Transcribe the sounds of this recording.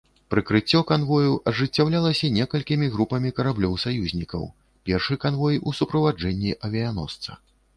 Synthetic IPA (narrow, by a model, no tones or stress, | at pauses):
pɾɨkɾɨt͡sʲːɔkanvɔjuʔɐʐɨt͡sʲːawlʲalˠɐsʲɐnʲɛkɐlʲkʲimʲiɣɾupɐmʲikɐɾablʲɔwsajuzʲnʲikɐ̰w | pʲɛrʂɨkanvɔjusupɾɐvad͡ʐɛnʲːiʔɐvʲɛjan̪ɔ̰st̪sɐ̰